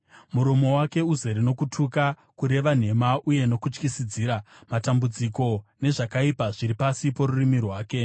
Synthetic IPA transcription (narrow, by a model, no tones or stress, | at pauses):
muɾomo̞wake̞uzeɾino̞kutʰuka | kuɾe̞ʋan̤e̞maʔuje̞no̞kut͡ʃkisid͡ziːɾamatambud͡ziko̞ne̞ʐakaipaʐiɾipasipo̞ɾurimirwaːke̞